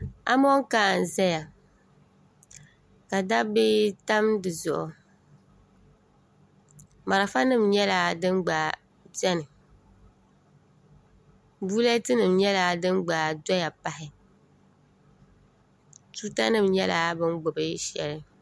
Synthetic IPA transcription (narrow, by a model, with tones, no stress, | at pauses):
a̰˦mɔ˦ŋ˦kaː˦˨n˨zɛ˦ja˨ | ka˨da˦bɪ˦ta˦mdɨ˨zʊ˨ʔʊ˨ | ma˨ɾa˨fa˦nɨ˦˨mɲɛ˦la˨dɨ˦mɡ͡ba˨ | zɛ˦nɨ˨ | buː˦lɛ˦tɨ˦nɨ˨mɲɛ˦la˨dɨ˦mɡ͡ba˨dɔ˦ja˨pa˦ɦɪ˨ | tu˦ta˦nɨ˦mɲɛ˦la˨˦bɨ˦nɡ͡bʊ˨bɨ˦ʃɛ̰˨lɨ˦